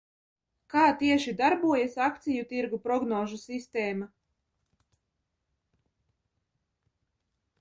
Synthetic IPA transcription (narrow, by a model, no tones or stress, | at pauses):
kaːt̪iɛʃid̪aɾbuɔjasak̚t̪sijut̪iɾɡupɾɔɡnɔːʒusist̪ɛːma